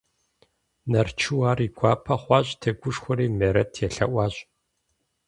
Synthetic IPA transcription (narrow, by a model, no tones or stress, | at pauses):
nɐrt͡ʃʰɨwaːriːɡʷʰɑːpʰɐχʷɑːɕʼtʰɐɡʷʊʂxʷʊɾiːmeːɾɐtʰjɛɬɐ̰ʔʷɑːɕʼ